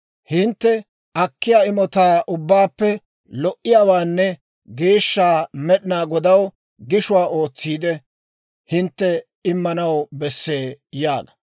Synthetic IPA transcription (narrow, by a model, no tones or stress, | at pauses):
hɪnt̪ːɛ | ɐkːɪjaːɪmɔt̪aːʔʊbːaːpːɛ | lɔʔɪjaːwaːnːɛ | ɡe̞ːʃːaːmɛɗɪnaːɡɔd̪ɐw | ɡɪʃʊwaːʔo̞ːt͡sːiːd̪ɛ | hɪnt̪ːɛ | ɪmːɐnɐwbɛsːe̞ːjaːɡɐ̥